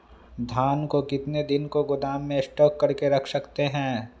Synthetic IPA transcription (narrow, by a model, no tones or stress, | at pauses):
d̪ʱaːnkokɪt̪ned̪ɪnkoɡʊd̪aːmːẽɪsʈɔːkːɐɾkeɾɐkʰsɐkt̪eɦɛ̃ː